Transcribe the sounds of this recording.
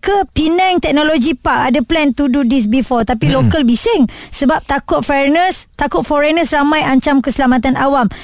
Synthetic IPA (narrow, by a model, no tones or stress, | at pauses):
kəpinɛ̃ŋt̪ɛk̚nõlod͡ʒipaʔadəplɛnt̪ududis̬bifɔt̪apilokalbisɪŋsəbap̚t̪akʊt̪̚fɛɾnəst̪akʊt̪̚fɔɾɛnəsramãjaɲt͡ʃamkəsəlamat̪anawam